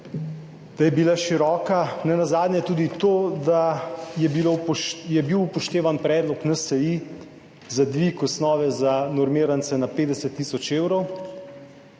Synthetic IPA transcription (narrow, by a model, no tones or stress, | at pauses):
d̪̥ajɛbilaʃiɾɔːkanɛnazaːd̪nʲjɛt̪uːd̪it̪oːd̪ajɛbilojɛbiwupɔʃt̪eːʋanpɾɛːd̪lɔknasɛi | zad̪ʋikɔsnɔːʋɛzanɔɾmiːɾansɛnapeːd̪ɛsət̪ːiːsɔt͡ʃeːwɾɔw